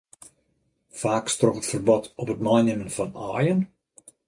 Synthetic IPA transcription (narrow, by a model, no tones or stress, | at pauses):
faːkstrɔχətfərbɔtʰɔpətmajnɪmənfɑnaːjən